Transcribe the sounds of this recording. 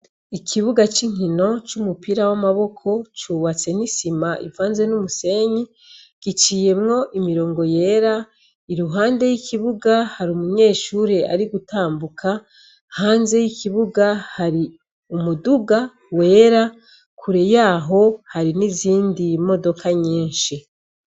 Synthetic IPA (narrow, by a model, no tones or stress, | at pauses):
ikʰiβuɡat͡ʃiŋ̥ino̞t͡ʃumupiɾawamaβo̞kʰo̞t͡ʃuβat͡se̞nisimaʔḭvaːnze̞numuse̞ːɲi | ɡ̥it͡ʃije̞mŋo̞ʔimiɾo̞ːŋɡo̞je̞ːɾa | iɾuɦaːnde̞jikiβuɡahaɾumuɲe̞ːʃuːɾea̰ɾiɡutaːmbukʰa | haːnze̞jikʰiβuɡahaɾi | umuduɡa | we̞ːɾa | kʰuɾejaːɦo̞haɾiniziːndimo̞do̞kʰaɲiːnʃi